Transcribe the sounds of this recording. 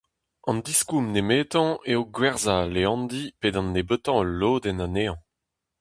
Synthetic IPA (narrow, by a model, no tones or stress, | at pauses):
ɑ̃nd̪iskumnemeːtɑ̃eoɡwɛʁzaleɑ̃nd̪ipedɑ̃nːebøt̪ɑ̃əlːoːd̪ɛnaneɑ̃